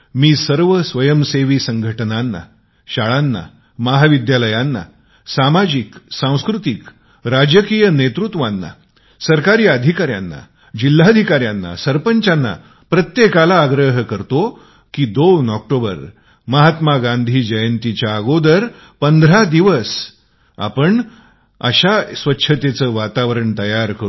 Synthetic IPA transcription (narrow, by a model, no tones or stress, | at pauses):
miːsəɾʋəsʋəjəmseʋiːsəŋɡʱəʈnanːa̰ | ɕaɭanːa̰ | məɦaʋid̪jaləjanːa̰ | samad͡ʑiksãw̃skɾut̪ik | ɾad͡ʑəkijənet̪ɾut̪ʋanːa̰ | səɾkaɾiːəd̪ʱikaɾja̰nːa̰ | d͡ʑil̤ːad̪ʱikaɾjanːa̰səɾpəɲt͡ɕanːa̰ | pɾət̪jekalaːɡɾəɦəkəɾt̪o | kid̪ownɔk̚ʈobə̰ɾ | məɦat̪maɡãnd̪ʱiːd͡ʑəjənt̪it͡ɕaːɡod̪əɾ | pənd̪ʱɾad̪iʋəs | a̰pəɳ | ə̰ɕasʋətːɕʰət̪et͡səːʋat̪aʋəɾəɳt̪əjaɾkəɾ